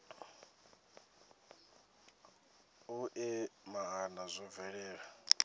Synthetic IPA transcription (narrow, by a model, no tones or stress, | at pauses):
uʔɛmaɦanazʷɔvɛɺɛːɺa